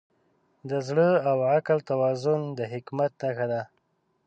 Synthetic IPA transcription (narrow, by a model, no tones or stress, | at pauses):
d̪əzɽəawʕaklt̪awɑzʊnd̪əɦɪkmat̪̚naxad̪a